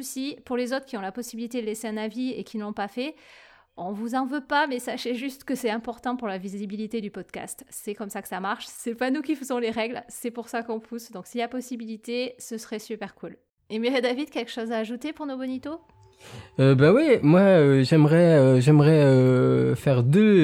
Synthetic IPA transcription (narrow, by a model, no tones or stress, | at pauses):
usipuʁlezot̪χə̥kʲiɔ̃lapɔsibilit̪ed̪əleseɛ̃naviekʲinlɔ̃pafɛ | ɔ̃vuzɑ̃vøpamɛsaʃeʒyst̪kəsɛt̪ɛ̃pɔʁt̪ɑ̃puʁlaviziibilit̪ed̪ypɔd̪ka̰st̪sɛkɔmsakə̥samaʁʃsɛpanukʲifəzɔ̃leʁɛɡlsɛpuʁsakɔ̃pʰusd̪ɔ̃ksilapɔsibilit̪esəsəʁɛsypɛʁkʰul | emeʁed̪avid̪kʲɛlkə̥ʃozaːʒut̪epuʁnobɔnit̪o | øbawimwaøʒɛmʁɛøʒɛmʁɛøfɛʁd̪ø